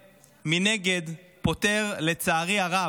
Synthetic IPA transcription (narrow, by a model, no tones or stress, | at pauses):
mine̞ɡe̞dpo̞te̞ʁle̞t͡saːʁiaʁa